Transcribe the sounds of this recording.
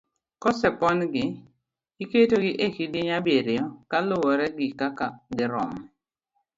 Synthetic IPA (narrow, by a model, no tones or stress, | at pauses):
kɔsɛpɔnɡɪ | iketoɡɪʔekidɪɲabeɾɪjɔkalʊwɔɾɛɡɪkakaɡɪɾɔ̰m